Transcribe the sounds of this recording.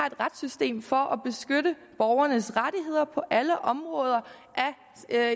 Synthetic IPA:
ɑ̈e̝d̥ʁad̥sysd̥e̝̰ːmfɒ̽ʔæb̥e̝sɡ̥øɾə | b̥ɒʊɐnəsʁad̥iɦe̝ð̰ˠɐpʰɒ̽ʔæləʔɒ̽mʁɔ̽ːð̞ˠɐʔæ

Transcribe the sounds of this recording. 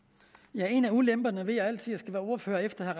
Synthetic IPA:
jɑæɐe̝næulemb̥ɐnəʋe̝jɑ̈ɪæl̰t͡sʰiðˠjasɡ̥æʋæːɐo̝ɐfø̰ɐefd̥ɐhæɐ

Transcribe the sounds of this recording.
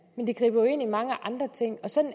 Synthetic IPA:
mend̥iɡ̥ʁḭːb̥ɐjoe̝n̰imɑ̈ŋəʔɑ̈nd̥ʁɐt͡sʰe̝ŋ̰ɒ̽sɒ̽d̥n

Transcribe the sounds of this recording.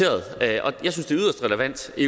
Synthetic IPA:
e̝̰ːɐð̩ˠøɒ̽jɑ̈ɪsynsd̥e̝yð̞ˠɐsd̥ʁɛləʋæn̰d̥e

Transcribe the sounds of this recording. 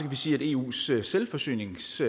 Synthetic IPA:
ɒkʰæʋisiːæd̥e̝̰ːṵːsøselfɒ̽sy̰ːne̝ŋs

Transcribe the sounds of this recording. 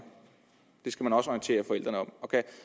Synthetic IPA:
d̥e̝sɡ̥æmænɒ̽sɒint͡sʰe̝̰ːɐfɒ̽el̰d̥ʁɐnəɒ̽mokʰe

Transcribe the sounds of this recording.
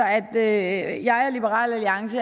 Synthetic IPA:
æd̥øjɑ̈ɪɐlib̥əʁɑ̰̈ːlæliɑ̈ŋsə

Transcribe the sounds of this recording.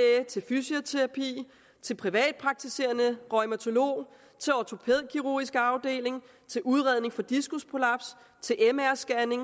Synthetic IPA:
et͡sʰe̝lfysiot͡sʰe̝ɑ̈pʰḭː | t͡sʰe̝lpʰʁiʋɛ̰ːd̥̚pʰʁɑ̈ɡ̥̚t͡sʰise̝̰ɐnəʁɒɪmæt͡sʰo̝lo̝̰ː | t͡sʰe̝lɒt͡sʰo̝pʰe̝ð̞̰ˠkʰiʁo̝ːisɡ̥əɑ̈ʊd̥e̝̰ːle̝ŋ | t͡sʰe̝lʔuð̞ˠʁɛð̞ˠne̝ŋfɒ̽d̥isɡ̥uspʰo̝lɑ̈b̥s | t͡sʰe̝lemæɐsɡ̥æne̝ŋ

